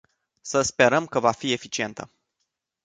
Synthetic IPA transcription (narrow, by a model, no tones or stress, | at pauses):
səspe̞ɾəmkəvafie̞fit͡ʃie̞nt̪ə